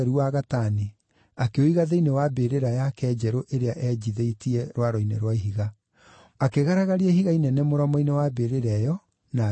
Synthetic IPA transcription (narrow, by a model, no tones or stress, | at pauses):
ɾuwaɣatane | akeoiɣaðeinewabeɾeɾajakɛːd͡ʑɛɾoʔeɾeaʔɛd͡ʑiðeitiɛɾwaɾɔinḛɾwaiɦiɣa | akeɣaɾaɣaɾiehiɣainɛnɛmoɾɔmɔinewabeɾeɾɛjɔ | na